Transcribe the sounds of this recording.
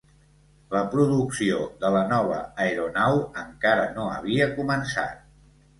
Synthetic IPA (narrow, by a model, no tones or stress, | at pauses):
ləpɾuðuksioðələnɔβ̞ə̰ːeɾunawəŋkaɾənoə̰β̞iəkumənsa̰t̪̚